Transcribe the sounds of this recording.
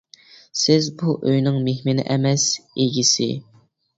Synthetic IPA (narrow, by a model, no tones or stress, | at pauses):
sɪzbuʔøjnɪŋmehmɪnɪ̰ʔɛmɛseɡʲisɪ̰